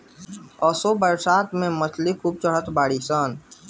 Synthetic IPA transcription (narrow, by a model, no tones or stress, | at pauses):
ɔːsobəɾsaːt̪mẽməslikʰuːb̚t͡ʃəɽ̤ət̪baːɽisaːn